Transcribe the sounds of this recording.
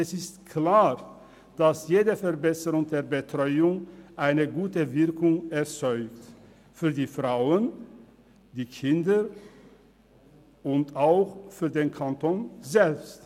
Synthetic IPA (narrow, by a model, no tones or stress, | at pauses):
ɛsɪstkʰlaːʁ | d̥asjeːdəfɛɐbɛsəʁʊŋdeːɐbətʁ̥ɔʏʊŋʔaɪnəɡuːtəvɪɐkʊŋɛɐt͡sɔʏkt | fyːɐdiːfʁ̥aʊən | d̥iːkʰɪndə | ʊntaʊxfyːɐdeːnkʰantʰonzɛlpst